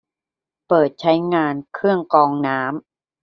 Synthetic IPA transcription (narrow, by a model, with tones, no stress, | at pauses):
pɤː˨˩t̪̚t͡ɕʰa˦˥jŋaː˧nkʰɯ˥˩əŋkɔː˧ŋnaː˦˥m